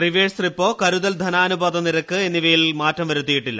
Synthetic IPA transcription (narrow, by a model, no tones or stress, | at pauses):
riʋeːst̪ripːo̞ːkɐɾuðɐld̪ʱɐnaːnubaːd̪ɐmniɾɐkːɨe̞nːiʋɐjilmaːtːɐmʋɐɾut̪̬ːijiʈːilːɐ